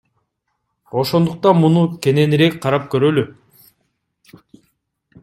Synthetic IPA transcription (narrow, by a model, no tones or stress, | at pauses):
o̞ʃo̞nd̪uq̚t̪ɑnmunukʲe̞ne̞niɾe̞k̚ʲqʰɑɾɑp̚køɾø̞ly